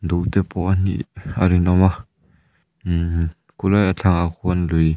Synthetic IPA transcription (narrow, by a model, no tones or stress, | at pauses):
duʔtɛpɔanḭaɾinɔma | kulajat͡ɬʰaŋakʰuɔnluj